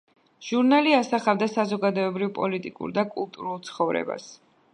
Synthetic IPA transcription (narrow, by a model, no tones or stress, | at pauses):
ʒ̥uɾnaliasaχavd̪asazɔɡad̪ɔɛbɾivpʼɔlit̪ʼikʼṵɾd̪akʼulˠt̪ʼuɾulˠt̪sʰχɔvɾɛ̰ba̰s